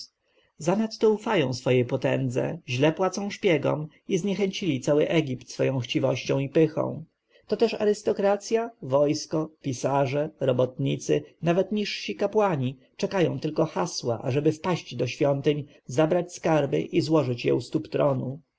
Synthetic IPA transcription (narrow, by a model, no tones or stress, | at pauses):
zanat̪ːɔufajɔ̃w̃sfɔjɛpɔt̪ɛ̰nd̪zɛ̰ʑlɛpwat̪sɔ̃w̃ɕpʲjɛɡɔ̰m | izɲɛxɛɲt͡ɕilʲit̪sawɘʔɛɡʲipt̪sfɔjɔ̃w̃xt͡ɕivɔɕt͡ɕɔ̃w̃ipɘxɔ̰̃w̃ | t̪ɔt̪ɛʂa̰ɾɘst̪ɔkɾat̪sʲjavɔjskɔpʲisaʐɛɾɔbɔt̪ɲit̪sɘnavɛt̪ɲiʂɕikapwaɲi | t͡ʂɛkajɔ̰̃w̃t̪ɘlkɔxaswa̰ʔa̰ʐɛbɘfpaɕt͡ɕd̪ɔɕfʲjɔnt̪ɘɲ | zabɾat͡ɕskaɾbɘ̰ʔizwɔʐɘt͡ɕjɛ̰ust̪upt̪ɾɔnu